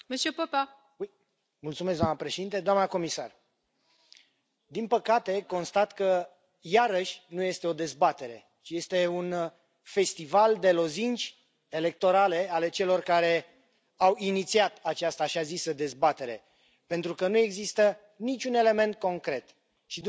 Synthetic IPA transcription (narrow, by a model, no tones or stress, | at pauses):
mesepəpa | uj | mult̪sumes̬d̪oamnəpɾe̞ʃe̞d̪int̪ed̪oamnəko̞misa̰r | d̪inpəkat̪e̞ko̞nst̪at̪kə | jaɾəʃʲnuje̞st̪e̞o̞d̪e̞zbat̪e̞ɾe̞̰ | t͡ʃije̞st̪e̞un | fe̞st̪ivald̪e̞lo̞zint͡ʃʲ | e̞le̞k̚t̪o̞ɾale̞ale̞t͡ʃe̞lo̞rkaɾe̞ | awinit̪siat̪at͡ʃast̪aʃiazisəd̪e̞zbat̪e̞ɾe̞̰ | pe̞nt̪ɾukənue̞ɡzist̪ə | nit͡ʃʲune̞le̞me̞nt̪̚ko̞ŋkɾe̞t̪ | ʃi